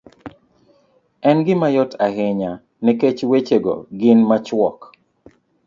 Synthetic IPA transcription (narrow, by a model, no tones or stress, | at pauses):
ɛnɡɪmajɔtʰaɦɪɲa | nɛket͡ʃwet͡ʃeɡo̰ɡɪnmat͡ʃwɔk